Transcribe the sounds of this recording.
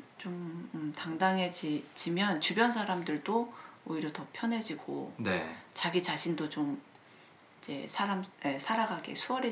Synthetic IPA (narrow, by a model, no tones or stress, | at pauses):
t͡ɕomtaŋdaŋɦe̞d͡ʑid͡ʑimjʌnt͡ɕubjʌnsʰaɾamdɯɭdooiɾjʌtʌpʰjʌnɦe̞d͡ʑiɡ̥o̰net͡ɕaɡit͡ɕaɕʰindot͡ɕom | id͡ʑe̞̰sʰaɾame̞sʰaɾaɡaɡḭsʰuwʌɾe